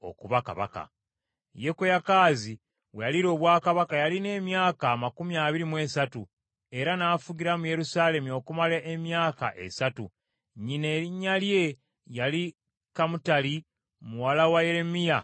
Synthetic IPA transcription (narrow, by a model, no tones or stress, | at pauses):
o̞̰kuβaka̰βa̰ka̰ | je̞kejakaːzi | βwejaliɾo̞ːβwaːkaβakajaline̞ːmjaːkaːmakumiaːβiɾimwe̞satu | e̞ɾanaːfuɟiɾamuje̞ɾusaːle̞muo̞kumalaʔemjaːka̰ʔe̞̰satu | ɲineiɲːalje̞ | jali | kamutali | muwalawaje̞ɾe̞mija